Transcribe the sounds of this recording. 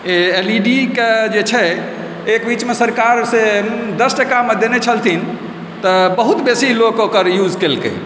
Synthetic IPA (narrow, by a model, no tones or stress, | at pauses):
eeliɖiked͡ʒet͡ʃʰɛ | ekbit͡ʃmesəɾkaɾsed̪əsʈəkamed̪enet͡ʃʰəlt̪ʰin | t̪əbəɦut̪besilokokəɾjud͡ʒkelkḛ